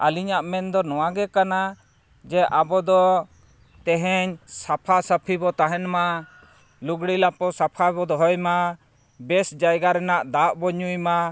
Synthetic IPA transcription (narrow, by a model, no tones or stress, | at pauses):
a̰liɲaʔmɛnd̪ɔnɔwaɡɛkana | d͡ʒɛʔabɔd̪ɔ | t̪ɛɦɛɲsapʰasapʰibɔt̪aɦɛnma | luɡɽilapɔsapʰabɔd̪ɔɦɔjma | bɛsd͡ʒajɡaɾɛnaʔd̪aʔbɔɲujma